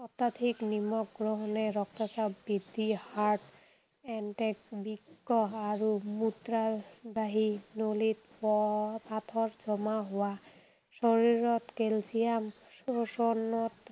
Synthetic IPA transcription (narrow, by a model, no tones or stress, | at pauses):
ɔt̪ːad̪ʱʰiknimɔk̚ɡɹɔɦɔnɛɾɔktasabːid̪ihaɹʈ | ɛnʈɛkbikːɔaɹumud̪ɾabaɦinolit̪̚ | ɔpat̪ʰɔɹd͡ʒɔmaɦʊwa | sɔɹiɹɔt̪kelsijam | osɔnɔt